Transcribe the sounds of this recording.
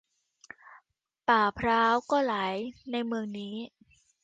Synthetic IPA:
paː˨˩pʰɾaː˦˥wkɔː˥˩laː˩˦jna˧jmɯ˧əŋniː˦˥

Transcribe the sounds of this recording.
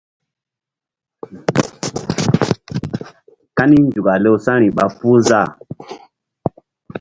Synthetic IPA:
ka˦ni˦n˨d͡ʒu˨ɡa˨le˦u˨sa˦ɾi˨ɓa˨fu˦za˦˨

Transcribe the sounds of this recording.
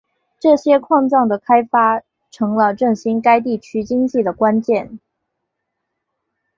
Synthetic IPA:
ʈ͡ʂɤ˥˩ɕjɛ˥kʰwɑ˥˧ŋt͡sɑ˥˩ŋd̪ə˩kʰa˥ɪfa˥ | ʈ͡ʂʰɤ˧˥ŋlə˧ʈ͡ʂɤ˥˩ŋɕi˥nka˥ɪt̪̬i˥˩t͡ɕʰy˥t͡ɕi˥ŋt͡ɕi˥˩d̪ə˩kwa˥nt͡ɕjɛ˥˩n

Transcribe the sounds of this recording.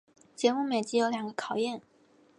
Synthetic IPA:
t͡ɕjɛ˧˥mu˥˩me˨˩ɪt͡ɕi˥jo˧˥ʊljɑ˨˩ŋɡə˧˦kʰɑ˨˩ʊjɛ˥˩n

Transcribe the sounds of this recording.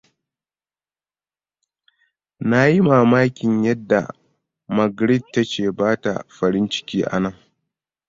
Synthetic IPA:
na˦ji˦maː˨maː˦kʲɪ˨ɲjɐ˦dːa̰˨ | mɐ˨ɡɾɪ˦˨d̚tːa˦t͡ʃeː˨baː˦ta̰˨ɸɐ˨ɽɪ˦nt͡ʃɪ̥˦kʲiː˦ʔa̰˨nɐ˦˨ŋ

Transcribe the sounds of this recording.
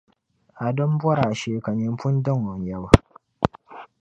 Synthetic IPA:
a˨dɔ˦m˦bɔ˦ɾa˨ʃeː˦˨ka˨ɲi˦m˦pʊ˦n˦dɨ˦ŋɔ˨n˨jɛ˦ba˨

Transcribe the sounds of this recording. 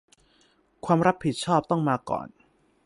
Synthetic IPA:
kʰwaː˧mɾa˦˥pʰːi˨˩t̪̚t͡ɕʰɔː˥˩p̚t̪ɔ˥˩ŋmaː˧kɔ̰ː˨˩n

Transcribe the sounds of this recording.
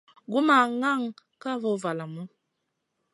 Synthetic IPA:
ɡu˦ma˨ŋa˦˨ŋka˦vɔ˨va˨la˨mu˦

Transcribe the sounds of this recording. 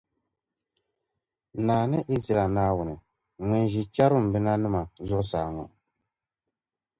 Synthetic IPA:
naː˨nɛ˦ʔi˦zi˨ɾa˨na˦wu˨nɛ˨ | ŋɛ˨n˨ʒi˨t͡ʃa˦ɾu˦˨m˨bi˦na˦nu˦ma˨zɔ˦saː˨ŋɔ̰˨

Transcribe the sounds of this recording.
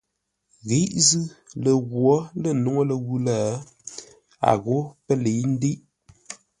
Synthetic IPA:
ɣe˨˦ʔzɨ˦lə˨ɣwɔ˨˦lə˦˨no˨˦ŋo˦lə˨ɣu˦laː˦˨ | a̰˨ɣo˨˦pə˦le˨˦n̩˦de˦ʔ

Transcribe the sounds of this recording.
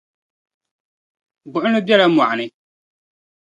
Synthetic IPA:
bʊ˨ʔʊ˦nɨ˦bɛ˦la˦ma˨ʔa˨nɨ˦

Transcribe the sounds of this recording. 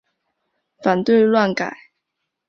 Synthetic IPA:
fa˨˩nt̪we˥˧ɪlwa˥˩nka˨˩˦ɪ

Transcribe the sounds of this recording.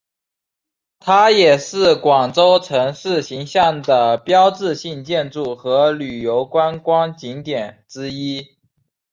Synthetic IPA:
t̪ʰa˥jɛ˨˩ʂɻ̩˥˩kwɑ˨˩ŋʈ͡ʂo˥ʊʈ͡ʂʰɤ˧˥ŋʂɻ̩˥˩ɕi˧˥ŋɕjɑ˥˩ŋd̪ə˩pjɑ˥ʊʈ͡ʂɻ̩˥˧ɕi˥˧ŋt͡ɕjɛ˥˧nʈ͡ʂu˥˩xɤ˧˥ly˨˩jo˧˥ʊkwa˥nkwɑ˥ŋt͡ɕi˧˥ŋt̪jɛ˨˩nʈ͡ʂɻ̩˥i˥

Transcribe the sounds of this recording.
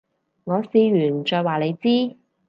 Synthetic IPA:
ŋɔː˨˧siː˧ɥyː˨˩nt͡ʃɔː˧jwaː˨le˨˧jt͡siː˥

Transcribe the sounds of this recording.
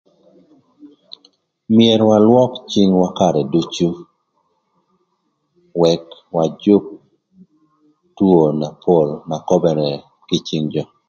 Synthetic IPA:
mɪe˨ɾwa˨lwɔ˦kt͡ʃi˦ŋwa˦ka˦ɾɛ˨du˦t͡ʃu˦ | wɛ˨kwa˨d͡ʒʊ˦k̚ | tuo˨na˨pʰo˦˨lna˨kɔ˦bɛ˨ɾɛ˨ | kɪ˦t͡ʃi˦ŋd͡ʒɔ˨

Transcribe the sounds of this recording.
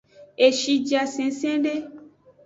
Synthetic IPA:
e˨ʃi˧d͡ʒa˧sẽ˨˦sẽ˦ɖe˦

